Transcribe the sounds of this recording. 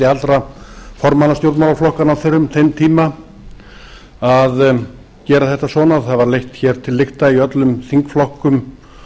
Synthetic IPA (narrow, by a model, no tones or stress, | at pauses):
ɪalt̪ɾafɔɾmanast̪jowɾt̪mawlaɾflɔhkanaθʏɾʏmθejmt̪ʰiːma | að | cɛːɾaθɛht̪asvɔːnaθaðvaɾlejht̪çɛːɾ̥t̪ʰɪlːɪht̪aiœt̪lʏmθiŋkflɔhkʏm